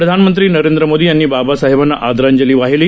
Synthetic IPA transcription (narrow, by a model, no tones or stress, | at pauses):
ɾəd̪ʱanmənt̪ɾiːnəɾẽnd̪ɾəmod̪iːjanːiːbabasaɦebanːaʔad̪ɾaɲd͡ʑəliːʋaɦiliː